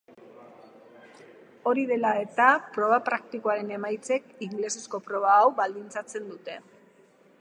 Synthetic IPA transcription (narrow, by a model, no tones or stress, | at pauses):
o̞ɾiðe̞lae̞t̪apɾo̞βapɾak̚t̪ikoaɾe̞ne̞majt͡se̞kiŋɡle̞sesko̞pɾo̞β̞aːwβald̪int͡sat͡se̞nd̪ut̪e̞